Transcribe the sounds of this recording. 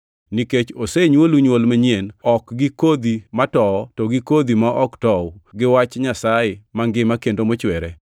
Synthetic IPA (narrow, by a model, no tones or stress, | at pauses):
niket͡ʃoseɲwoluɲwolmeɲenɔkɡɪkod̪imatɔtoɡɪkod̪imaʔɔktɔɡɪwat͡ʃɲasaɪmaŋɡɪmakendomɔt͡ʃwɛɾɛ